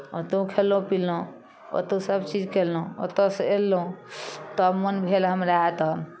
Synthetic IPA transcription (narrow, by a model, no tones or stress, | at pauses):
ot̪ũkʰelũpilːũ | o̰t̪ũsəbt͡ʃid͡ʒkʰelũo̰t̪oselːũt̪ɔmənbʱelɦəmɾaet̪əm